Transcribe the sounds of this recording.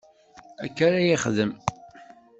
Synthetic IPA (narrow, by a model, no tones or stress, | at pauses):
ækːaɾæjiχðəm